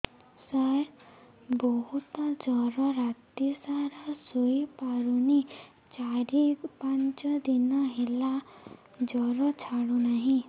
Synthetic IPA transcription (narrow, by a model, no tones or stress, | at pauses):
saj | bɔɦut̪ɔd͡ʒɔɾɔɾat̪isaɾɔsujpaɾuni | t͡ʃaɾipant͡ʃɔd̪inɔɦela | d͡ʒɔɾɔt͡ʃʰaɽunaɦĩ